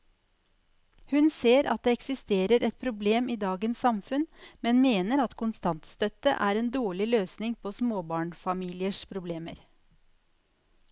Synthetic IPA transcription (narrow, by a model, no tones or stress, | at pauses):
hʉnseːɾɑ̰t̪̚d̪eːɛksɪst̪eːɾəɾɛt̪̚pʰɾʊbleːmiːd̪ɑːɡənsːɑmfʉnmɛnmeːnəɾɑt̪kʰʊnst̪ɑnt̪st̪œt̪ə̰ʔæːɾeːnd̪oːɭɪløːsnɪŋpʰosmoːbɑːɳfɑmiːlɪəʂpʰɾʊbleːmə̰ɾ